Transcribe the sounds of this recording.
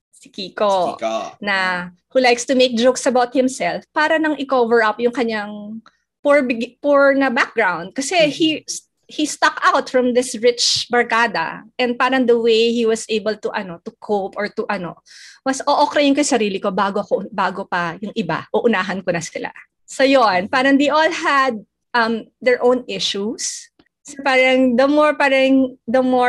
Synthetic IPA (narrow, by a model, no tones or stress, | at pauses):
sɪkiːkonɐ | hulajkst̪ʊmejk̚d͡ʒowksɐbawt̪̚hɪ̃msɛlfpaːɾɐnɐŋʔɪkovɛɹʔɐpjʊŋkɐɲaŋ | puɹbpuɹnɐbak̚ɡɹawnd̪̚kɐsɛhis | hist̪ɐkawt̪fɹɐ̃md̪ɪsɹɪt͡ʃbɐɹkaːd̪ɐ̰ʔɛ̃nd̪̚paːɾɐŋd̪ɐwejhiwɐsʔejbɛlt̪ʊʔɐ̰no̞t̪ʊkʰopɔɹt̪ʊʔɐno̞̰wɐsʔoʔokɾɐjʊnkɐjsɐɾiːlɪko̞baːɡoɐkobaːɡopɐjʊŋʔɪba̰ʔoʔʊnaːɦɐnkonɐsɪla̰ | sojonpaːɾɐŋd̪ejʔolɦɐd̪̚ | ʔɐmːɛɹʔõwnʔɪʃus | sopaːɾɐŋd̪ɐmoɹpaːɾɐŋd̪ɐmo